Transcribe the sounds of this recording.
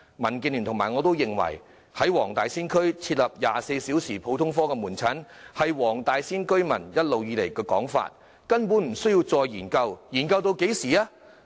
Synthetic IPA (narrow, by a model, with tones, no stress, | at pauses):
mɐ˨˩nkiː˧nly˨nt̪ʰʊ˨˩ŋmaː˨˩ŋɔ˨˧t̪o˥wjɪ˨˩ŋwɐ̰˨˩j | hɐ˨˥jwɔː˨˩ŋt̪aː˨jsiː˥nkʰɵ˥ɥt͡sʰiː˧t̚lɐ˨p̚jaː˨se˧jsiː˨˥wsiː˨˩pʰo˨˥wt̪ʰʊ˥ŋfɔː˥kɛː˧muː˨˩nt͡sʰɐ˨˥n | hɐ˨jwɔː˨˩ŋt̪aː˨jsiː˥nkɵ˥ɥmɐ̰˨˩njɐ˥t̚lo˨wjiː˨˧le˨˩jkɛː˧kɔ̰ː˨˥ŋfa̰ː˧t̚ | kɐ˥npu˨˥nm̩˨˩sɵ˥jiː˧wt͡sɔː˧jjiː˨˩nkɐ˧wjiː˨˩nkɐ˧wt̪̬o˧wke˨˥jsiː˨˩aː˦˥